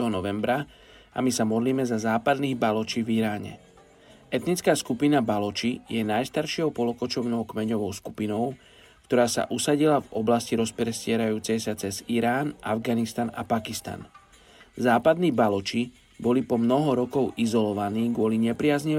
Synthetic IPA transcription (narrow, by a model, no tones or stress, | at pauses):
ɦɔnɔʋɛmbɾa | a̰misamɔd̪liːmɛzazaːpad̪niːɣbalɔt͡ʃiːviɾaːɲɛ̰ | ɛt̪nit͡skaːskupinabalɔt͡ʃijɛnajst̪aɾʃɪɔʊpɔlɔkɔt͡ʃɔʊnɛʊkmɛɲɔʋɔʊsku̥pinɔʊ | kt̪ɔɾaːsa̰ʔusaɟilavɔblasciɾɔspɾɛscɪɛɾajuːt͡sɛjsat͡sɛziɾaːnʔa̰vɡanist̪ana̰pakist̪a̰n | zaːpad̪niːbalɔt͡ʃi | bɔlipɔmnɔɦɔɾɔkɔʊʔizɔlɔʋaniːɡʊɔliɲɛpɾɪazɲi